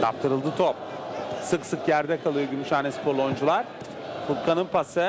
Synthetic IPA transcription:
t̪ʰa̰pt̪ʰɯɾɯlˠd̪ɯt̪ʰop̚ | sɯksɯkjæɾd̪ɛkʰalˠɯjoɟymyʃaːnɛspʰoɾlˠo̞jnd͡ʒulˠaɾ̥ | fut̪̚kʰanɯnpʰasɯ

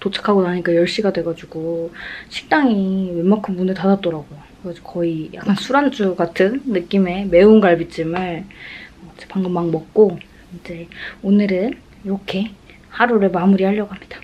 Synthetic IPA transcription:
tot͡ɕʰḁkʰaɡonaɲik͈ajʌɭɕ͈iɡadwe̞ɡad͡ʑuɡoɕʰi̥k̚t͈aŋiwe̞makʰɯnbunɯtadat̚t͈ʌɾaɡojo | ɡad͡ʑkʌija̰k͈ansʰuɾant͡ɕ͈ʰuɡatʰɯnːɯk͈ime̞me̞unɡaɭbit͡ɕ͈ɯmɯɭʌd͡ʑepaŋɡɯmːaŋmʌk̚k͈o | id͡ʑe̞onɯɾɯn | iɾʌkʰe̞ | haɾuɾɯɭmamuɾihaʎːʌɡɦamɲid̥ḁ

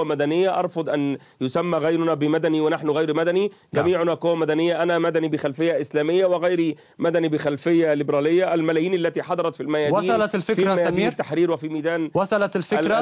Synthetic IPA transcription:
mæd̪ænɪjːæʔɑɾˤfʊd̪ˤʔæn | jʊsæmːæɣajɾʊnæbɪmæd̪æniwɪnaħnʊɣajɾmæd̪æni | ɡæmiːʕʊnæqowæmæd̪ænɪjːæʔænæmæd̪ænibɪxælfɪjːæʔɪslæːmɪjːawɪɣæjɾi | mæd̪ænibɪxælfɪjːælɪbɾæːlɪjːæʔælmælæːjiːnʔalːæt̪iːħɑd̪ˤɑɾˤɑt̪filmæjæːdw̪iːlɑt̪lfɪfiɾmæj̪iːt̪ːaħɾiːɾwefimiːd̪æːnwasˤɑlat̪lflɾ

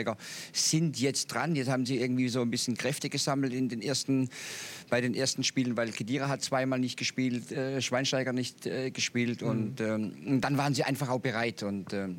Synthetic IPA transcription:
ɪɡɐz̥ɪntjɛt͡std̥ʁanjɛt͡sthaːbn̩ziːʔɪɐɡŋ̩tv̥iːzoːnbɪsçənkʁ̥ɛftəɡ̥əzaml̩tɪndeːnʔeːɐstn̩b̥aɪɾeːnʔeːɐstn̩ʃpiːlənvaɪlkʰediːʁaɦat̚t͡sv̥aɪmaːlnɪçt̚ɡ̥əʃpiːltɛːʃv̥aɪnʃtaɪɡɐnɪçtɛɡəʃpiːltʊntɛːʊntd̥anvaːʁənziːʔaɪnfaχaʊxb̥əʁaɪtʰʊntɛː

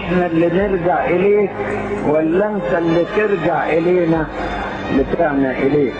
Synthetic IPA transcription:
ħnalːɪnɪɾɡaʕʔɪleːk̚walːamsalːɪt̪ɪɾɡaʕʔɪleːna | lɪt̪ɪʕnaʔɪleːk

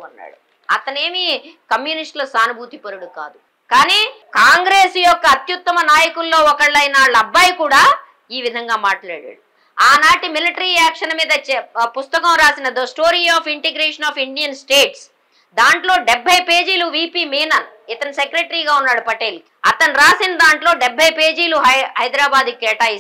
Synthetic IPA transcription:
ɐnːa̰ːɽu | ɐt̪ɐne̞ːmikɐmjuːnisʈlɐsaːnubʱuːt̪ipɐɾuɽuka̰ːd̪u | kaːniːkaːŋɡɾeːsjɔkːɐːt̪jut̪ːɐmɐnaːjɐkulːo̞ːɔkɐɭːɐjnaːɭɐbːɐjkuːɽaː | iːʋid̪ʱɐŋɡaːmaːʈla̰ːɽa̰ːɽu | aːnaːʈimiliʈɐɾiɛːkʂɐnɐmiːd̪ɐt͡ʃɛpust̪ɐkɐmɾaːsinɐd̪osʈoːɾiaːpiɳʈiɡɾeːʂɐnaːpiɳɖijɐnsʈe̞ːʈs | d̪aːɳʈlo̞ːɖɛbʱːɐjpe̞ːd͡ʒiːluʋiːpiːmiːnɐnit̪ɐnisekɾeʈɐɾiːɡaːunːaːɽupɐʈeːlu | ɐ̰t̪ɐnɾaːsinɐd̪aːɳʈlo̞ːɖɛbʱːɐjpe̞ːd͡ʒiːluɦɦɐjd̪ɾaːbaːd̪kɛːʈaːi

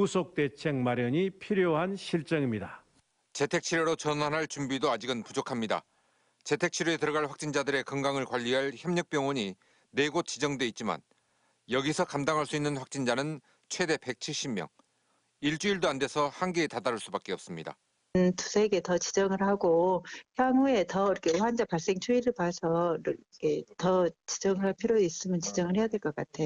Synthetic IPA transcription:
usʰok̚t͈e̞t͡ɕʰe̞ŋmaɾjʌɲipʰiɾjoɦanɕʰiɭt͡ɕ͈ʌŋimɲida | t͡ɕe̞tʰe̞k̚t͡ɕʰiɾjʌɾot͡ɕʌnanɦaɭt͡ɕumbidoad͡ʑiɡɯnpud͡ʑokʰamɲida̰ | t͡ɕe̞tʰe̞k̚t͡ɕʰiɾue̞tɯɾʌɡaɭɸwak̚t͡ɕ͈ind͡ʑadɯɾe̞kʌŋɡaŋɯɭkwaʎːiɦaɭçjʌmɲʌk̚p͈jʌŋwʌɲi | ne̞ɡot̚t͡ɕ͈id͡ʑʌŋdwe̞it̚t͡ɕ͈ima̰n | jʌɡisʰʌkamdaŋɦaɭs͈uinːɯnɸwak̚t͡ɕ͈ind͡ʑanɯn | t͡ɕʰwe̞de̞pe̞k̚t͡ɕʰiɭɕ͈imjʌ̰ŋ | iɭt͡ɕ͈uiɭdoande̞sʰʌhanɡeːtadaɾuɭs͈ubak͈e̞ʌp̚s͈ɯmɲida̰ | ntusʰeɡe̞tʌt͡ɕid͡ʑʌŋɯɭhaɡoçjaŋue̞tʌɾʌkʰeɸwand͡ʑapaɭs͈e̞ŋt͡ɕʰuiɾɯɭpwasʰʌkʰetʌt͡ɕi̥d͡ʑʌŋɯɭɦaɭpʰiɾjois͈ɯmjʌnt͡ɕid͡ʑʌŋɯɭhe̞jadweɭk͈ʌk͈atʰeo

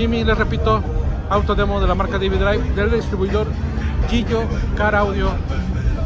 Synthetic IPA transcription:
imĩlesrepit̪o | awt̪oðemoðe̞lamaɾkaðiβiðɾajfd̪eldist̪ɾiβujðo̞ɾkiʝokaɾawðjo

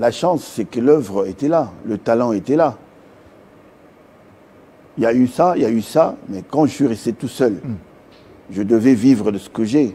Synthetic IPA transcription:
laʃɑ̃sːɛkəlœvʁəet̪ɛlalət̪alɑ̃et̪ɛla | iljaysailjaysamɛkɑ̃ʒəsɥiʁɛst̪et̪usœl | ʒəd̪əvɛvivʁəd̪əsə̥kəʒɛ

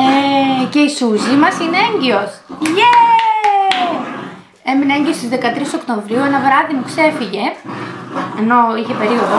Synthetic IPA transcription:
ece̞isuzimɐsine̞eɲɟio̞sʝe | e̞minɐeɲɟio̞st̪izðe̞kɐt̪ɾiso̞kt̪o̞ɱvɾiuenɐvɾɐðimukse̞fiʝe̞ | eno̞içe̞pe̞ɾio̞ðo

